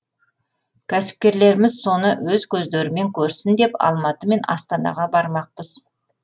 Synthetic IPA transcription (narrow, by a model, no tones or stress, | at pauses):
kʲʰæsɪ̥p̚kʲe̞ɾle̞ɾɪmɪzso̞nəwɵzkʲʰɵzd̪eɾɪme̞ŋkʲʰɵɾsɪnd̪e̞pɑ̰lˠmɑt̪əme̞nɑ̰st̪ɑnɑ̰ʁɑbɑɾmɑq̚pəz̥